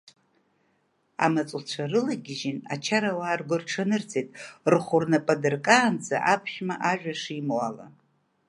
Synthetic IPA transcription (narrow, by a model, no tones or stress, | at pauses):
a̰mat͡sʼlt͡ɕʷʰarɨlaɡʲɪʒina̰t͡ʃʰaɾawaːrɡʷʊrʈ͡ʂʰanɨrt͡sʰʼetʼrχʷʊrnapʼadɨrkʼaːnd͡za̰ʔapʰχʲmaʔaʒᶣaʂimwala̰